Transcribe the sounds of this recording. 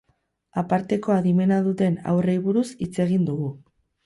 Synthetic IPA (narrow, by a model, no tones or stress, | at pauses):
apaɾt̪e̞ko̞aðime̞naðut̪e̞na̰wrejβuɾusit͡se̞ɣ̞ind̪uɣu